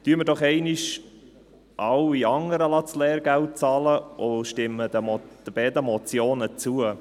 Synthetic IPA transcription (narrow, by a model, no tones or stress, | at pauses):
tyəməɾdɔχɛɪnɪʃ | ʔɑwiɑŋəɾəlɑslɛːɾɡɛlt̚t͡sɑːləʔoʃtɪmːədəd̥əb̥ɛːd̪əmɔt͡sjoːnət͡suə